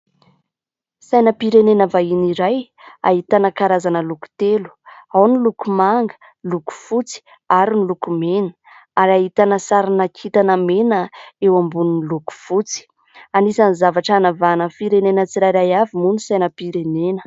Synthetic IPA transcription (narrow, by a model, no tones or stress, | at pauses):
sajnəpiɾenenəvainiɾaj | a̰ɦit̪anəkaɾazanəluku̥t̪elu̥awnilukumaŋɡə̥ | luku̥fut͡si̥ | aɾinilukumenə̥ | aɾaɦit̪anəsaɾinakʰit̪anəmenəewambuninluku̥fut͡si̥ | anisanizavaʈ͡ʂanavanəfiɾenenət͡siɾajɾajavimunisajnəpiɾenenə̥